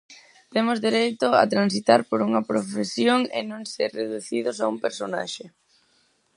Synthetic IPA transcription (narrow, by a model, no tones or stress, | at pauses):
t̪emozðeɾejt̪ʊa̰t̪ɾansit̪aɾpoɾuŋɐpɾofesjoŋɪ̰nõŋseɾreðuθiðʊsaumpeɾsona̰ʃe